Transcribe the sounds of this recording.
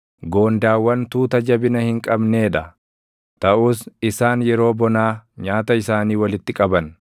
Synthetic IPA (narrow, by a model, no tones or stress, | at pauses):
ɡo̞ːnd̪aːwːɐnt̪uːt̪ɐd͡ʒɐbɪnɐhɪŋkʼɐbne̞ːᶑɐ | t̪ɐʔʊːsɪsaːnjɛɾo̞ːbɔnaːɲaːt̪ɐɪsaːniːwɐlɪt̪ːɪkʼɐbɐn